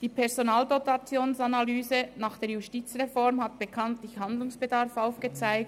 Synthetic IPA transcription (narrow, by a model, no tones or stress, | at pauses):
d̥iːpʰɛʁzonaːldotat͡sjoːnsanalyːzənaːχd̥eːɐjustiːt͡sʁefɔʁmɦatb̥əkʰantlɪçhand̪lʊŋsb̥ədaɾfaʊfɡ̥ət͡saɪk̚